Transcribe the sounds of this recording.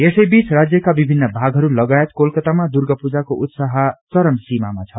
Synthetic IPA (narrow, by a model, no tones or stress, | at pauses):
esʌjbit͡srad͡zjʌkabibʱinːʌbʱaɡɦʌɾulʌɡajet̪kolkʌt̪amad̪urɡʌpud͡zakoʔut̪saɦat͡sʌɾʌmsima̰ma̰t͡sʰʌ